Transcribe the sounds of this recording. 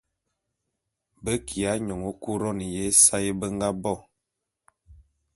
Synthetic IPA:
bə˦kʰi˨a˦ɲɔ˨ŋo˨˦ku˦ɾɔ˦ni˨je˦sa˦je˦bə˦ŋɡa˦bɔ˦˨

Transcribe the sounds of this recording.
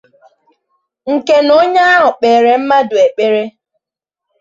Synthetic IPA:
ŋ̩˨ke˦no˦ɲa˦a˦ɦʊ˨k͡peː˨ɾe˨m̩˦ma˦dʊ˨e˨k͡pe˨ɾe˦

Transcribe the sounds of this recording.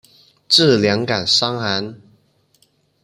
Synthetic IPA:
ʈ͡ʂɹ̩˥˨ljɑ˧˥ŋka˨˩nsɑ˥˦ŋa˧˦n

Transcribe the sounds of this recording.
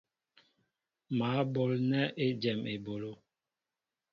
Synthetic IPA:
maː˨˦bo˨lnɛ˦ʔe˦d͡ʒɛ˨me˨bo˨lo˦

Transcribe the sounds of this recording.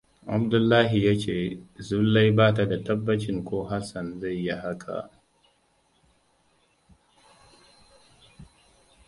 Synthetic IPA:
ʔa̰˦mdʊ˦lːaː˦ɦi˨jaː˦t͡ʃeː˦˨zʊ˦lːa˦jbaː˦t̬a˨da˨tɐ˦bːɐ˦t͡ʃɪ˦ŋkʷoː˦ɦa˦sɐ˨nza˦˨jːa˦ha˦kʰa̰˨

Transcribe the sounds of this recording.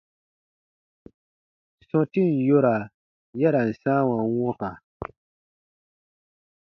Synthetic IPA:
sɔ̃˦ti˦˨n̩˨jo˦ɾa˨ | jɛ˦ɾa˨n̩˨sãː˦wa˨˦wɔ̃˦ka˨

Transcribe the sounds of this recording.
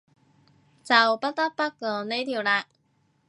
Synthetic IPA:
t͡sɐ˨wpɐ˥t̚t̪ɐ˥t̚pɐ˥t̚kɔː˨˥ne˥jt̪ʰiː˨˩wlaː˧

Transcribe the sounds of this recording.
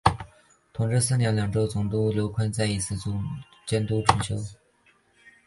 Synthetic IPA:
t̪ʰʊ˧˥ŋʈ͡ʂɻ̩˥˧sɹ̩˥˩˨njɛ˧˥nljɑ˨˩ŋʈ͡ʂo˥ʊt͡sʊ˨˩ŋt̪u˥ljo˧˥ʊkʰə˥nt͡sa˥˩ɪi˧˥t͡sʰɹ̩˥˩˧t͡ɕjɛ˥nt̪u˥ʈ͡ʂʰʊ˧˥ŋt͡ɕʰjo˥ʊ

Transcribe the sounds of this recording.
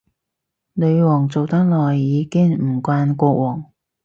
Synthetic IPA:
lɵ˨˧ɥwɔː˨˩ŋt͡so˨wt̪ɐ˥k̚lɔː˨˩jːiː˨˧kɪ˥ŋm̩˨˩kʷaː˧nkʷɔː˧k̚wɔː˨˩ŋ

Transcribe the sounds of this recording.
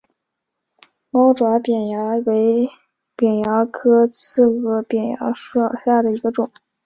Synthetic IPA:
mɑ˥ʊʈ͡ʂwa˧˥pjɛ˨˩njɑ˧˥we˧˥ɪ | pjɛ˨˩njɑ˧˥kʰɤ˥t͡sʰɹ̩˥˩ɤ˧˥pjɛ˨˩njɑ̰˧˥ʂɑ˥˧ɕja˥˩d̪ə˩i˧˥ɡə˧ʈ͡ʂʊ˨˩˦ŋ

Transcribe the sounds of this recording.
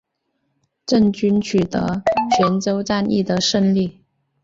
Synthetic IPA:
ʈ͡ʂə˥˩ŋt͡ɕy˥nt͡ɕʰy˨˩t̪ə̰˧˥˦t͡ɕʰɥɛ˧˥nt͡so˥ʊʈ͡ʂa˥˧nḭ˥˩d̪ə˩ʂə˥˧nli˥˩

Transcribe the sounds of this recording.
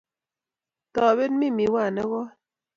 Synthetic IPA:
tɔ˨be˦n˦mi˦˨mi˨˦wa˦˨nɛ˦ɣɔ˦

